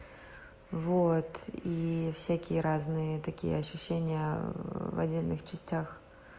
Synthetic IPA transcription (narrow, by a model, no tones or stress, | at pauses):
vot̪ifsʲakʲɪjəɾaznɨjət̪ɐkʲḭjə̰ɐɕːʊɕːenʲɪjəvɐ̰dʲːelʲnɨxt͡ɕɪsʲtʲax